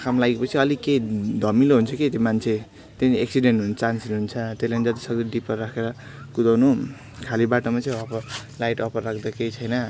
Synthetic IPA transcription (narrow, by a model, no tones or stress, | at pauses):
kʰamlaɡepʌt͡sʰiʌliked̪ʱʌmiloɦunt͡sʰʌket̪jemant͡sʰe | t̪eneksiɖeɳʈɦunt͡sansinɦunt͡sʰʌt̪eslanid͡zʌt̪i̥sʌɡd̪iɖipʌrakʰeɾʌ | kud̪awnu | kʰalibaʈomat͡sʌjʌpʌlajʈʌpʌrːakʰd̪akejt͡sʰʌjnʌ